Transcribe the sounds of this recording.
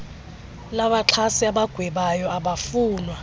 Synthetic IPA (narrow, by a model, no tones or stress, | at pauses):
laɓaǁʰasiaɓaɡ̥ʱwɛɓajɔaɓafuːnwa